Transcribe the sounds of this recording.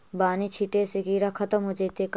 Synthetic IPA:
baːnit͡ʃʰiʈeseɡiːɾakʰɐt̪əmɦoːd͡ʒeːt̪ek

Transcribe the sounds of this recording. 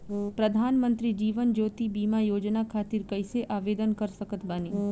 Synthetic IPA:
pɾəd̪ʱaːnmə̃nt̪ɾid͡ʒiːʋənd͡ʒoːt̪ibiːmajoːd͡ʒnakʰaːt̪iɾkəɪseʔaːʋeːd̪ənkəɾsəkət̪ʰbaniː

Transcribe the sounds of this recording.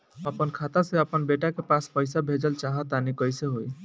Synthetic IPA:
əpənkʰat̪aseəpənbeʈakepaspəjsabʱed͡ʒəlt͡ʃaɦət̪anikəjseɦoj

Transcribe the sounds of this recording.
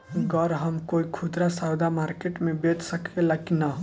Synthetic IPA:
ɡəɾɦəmkoikʰud̪ɾasawd̪amaɾkeʈmẽbet̪səkelakina

